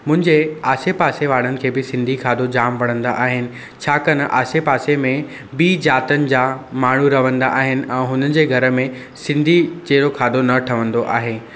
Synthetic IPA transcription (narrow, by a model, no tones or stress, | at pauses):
mʊ̃ɦɪ̃ɲd͡ʑeaːsepaːseʋaːɽ̤ənɪ̆kʰeːbɪsɪ̃nd̪ʱikʰaːd̪od͡ʑaːmpɐɽ̤̃ə̃nd̪a̰ʔaːɦɪnɪ̆ | t͡ɕʰaːkɐnʔa̰ːsepaːsemẽ | biːd͡ʑaːt̪ənɪ̆d͡ʑaːmaːɳ̤uɾɐʋə̃nd̪a̰ʔaːɦɪnɪ̆ʔɛ̃ːɦʊnənɪ̆d͡ʑeːɡʱɐɾə̆mẽ | sɪ̃nd̪ʱit͡ɕeːɾokʰaːd̪onɐʈʰɐʋə̃nd̪oʔaːɦeː